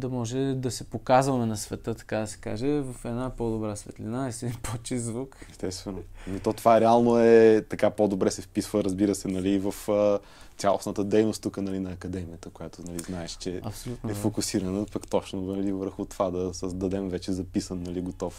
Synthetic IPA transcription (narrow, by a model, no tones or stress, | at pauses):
d̪ɐmɔʒɛd̪ɐsɛpokazvɐmɛnɐsvɛt̪ɤt̪ɐ̥kad̪ɐsɛ̥ka̰ʒɛvɐfɛd̪napod̪obɾasvɛ̰t̪linaɛst̪iipot͡ʃizvukɛst̪ɛst̪vɛnonit̪ɔt̪ovaɾɛalˠnoɛt̪ɐkapod̪obɾɛsɛfpisvəɾɐzbiɾəsɛnɐliːvɐfʲ | jalˠo̰snət̪əd̪ɛjnost̪ukənɐlinɐːkɐd̪ɛmijət̪əkojat̪onɐliznaɛʃt͡ʃɛɐ̰psolʲunɛfokʊsiɾɐnəpəkt̪ɔt͡ʃnoɐlivəɾxʊt̪ovad̪ɐsəzd̪ɐd̪ɛmvɛt͡ʃɛzɐpisənːɐliɡot̪ɔf